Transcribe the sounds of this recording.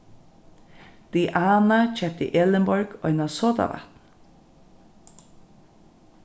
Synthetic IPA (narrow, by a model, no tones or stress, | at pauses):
d̪̥iːʔɑːnat͡ʃʰɛp̚t̪ḭːʔɛləmbɔɹɡ̥ɔ̰ʏnɑsoːt̪a̰ʋa̰t̪n